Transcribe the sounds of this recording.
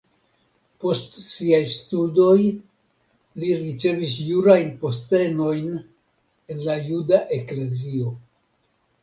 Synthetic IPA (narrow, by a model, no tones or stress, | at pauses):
po̞stsiajstudo̞j | liɾit͡ʃe̞visjuɾajnpo̞ste̞no̞jn | e̞nlajudaʔe̞kle̞zio̞